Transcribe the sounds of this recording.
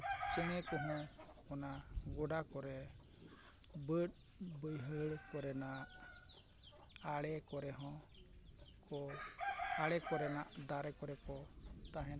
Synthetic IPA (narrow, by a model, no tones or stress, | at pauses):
t͡ʃɛnɛkɔɦɔ̃ | ɔnaɡɔɖakɔɾɛ | bət̪̚ | bəjɦəɽkɔɾɛnaʔ | aɽɛkɔɾɛɦɔ̃ | kʰɔ | aɽɛkɔɾɛnaʔd̪aɾɛkɔɾɛkɔt̪aɦɛ̃